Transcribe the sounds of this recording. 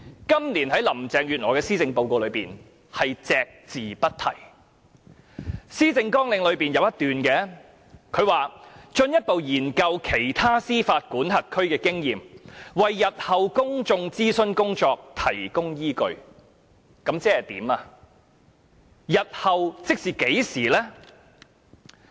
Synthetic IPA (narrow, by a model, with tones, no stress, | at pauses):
kɐ˥mliː˨˩nɦɐ˨˥jlɐ˨˩mt͡sɛː˨ŋjyː˨t̚ŋɔː˨˩kɛː˧siː˥t͡sɪ˧ŋpo˨˧wko˧wlɵ˨˧ɥpiː˨n | hɐ˨jt͡sɛː˧k̚t͡siː˨˩pɐ˥t̚t̪ʰɐ˨˩j | siː˥t͡sɪ˧ŋkɔː˥ŋlɪ˨˧ŋlɵ˨˧ɥpiː˨˩njɐ˨˧wjɐ˥t̪yː˨nkɛː˧ | kʰɵ˨˧ɥwaː˨t͡ʃɵ˧njɐ˥t̚po˨wjiː˨˩nkɐ˧wkʰe˨˩jt̪ʰaː˥siː˥faː˧t̚kuː˨˥nɦɐ˨t̚kʰɵ˥ɥkɛː˧kɪ˥ŋjiː˨mwɐ˨jːɐ˨t̚hɐ˨wkʊ˥ŋt͡sʊ˧ŋt͡siː˥sɵ˥nkʊ˥ŋt͡sɔː˧k̚t̪ʰɐ˨˩jkʊ˥ŋjiː˥kɵ˧ɥ | kɐ˨˥mt͡sɛː˥hɐ˨jt̪ḭː˨˥maː˧ | jɐ˨t̚hɐ˨wt͡sɪ˥k̚siː˨ke˨˥jsiː˨˩lɛː˥